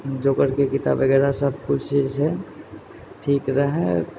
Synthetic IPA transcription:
d͡ʒoːkəɾkekɪt̪a̰bəɡɛːɾasɐb̚kʊt͡ʃʰt͡ʃiːzɦɛ | ʈʰiːkɾəɦɛ̃

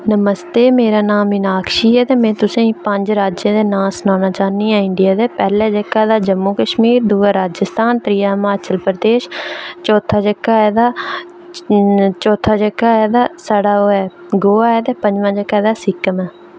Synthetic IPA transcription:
nəməst̪eːmeːɾaːnaːmɪnaːkʰʃiːɛːt̪eːmɛ̃ːt̪ʊsẽiːpəɲd͡ʒɾaːd͡ʒẽːd̪eːnãːsnaːnaːt͡ʃaːnːiːɦãːɪɳɖɪjaːd̪eːpɛːlɛːd͡ʒəkːaːd̪aːd͡ʒəmːuːkəʃmiːɾd̪uːaːɾaːd͡ʒəst̪ʰaːnt̪ɾɪjaːmaːt͡ʃəlpɾəd̪eːʃt͡ʃɔːt̪ʰaːd͡ʒəkːaːɛːd̪aː | t͡ʃɔːt̪ʰːaːd͡ʒəkːaːɛːd̪aːsaɽaːɦoːɛː | ɡoːaːɛːt̪eːpəɲd͡ʒʋãːd͡ʒəkːaːd̪aːsɪkːəmɛː

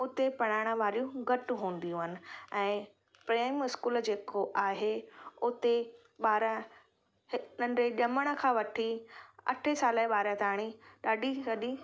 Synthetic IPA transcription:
ʊt̪epɐɽ̃aːɪɽ̃əʋaːɾijũɡʱɐʈɦũːn̆d̪ijũɦənɪ̆ɛ̃ː | pɾeːmɪskuːld͡ʑeːkoʔaːɦeʊt̪e | ɓaːɾə | nɐ̃ɳɖeɗɐməɽ̃ə̆kʰãːʋɐʈʰiɐ̰ʈʰesaːləɓaːɾət̪aːɽ̃iɗaːɖʱiɡɐɗi

